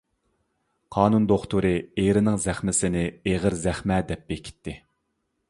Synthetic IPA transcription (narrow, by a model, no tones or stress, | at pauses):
qʰɑːnund̪oχt̪uɾɨeɾɪnɪŋzæχmɪsɪnɪeʁəɾzæχmɛd̪ɛp̚bekʲʰi̥t̪ʰːɪ